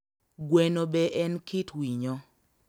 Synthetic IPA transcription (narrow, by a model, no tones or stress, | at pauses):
ɡwenobɛʔɛnkitwiɲɔ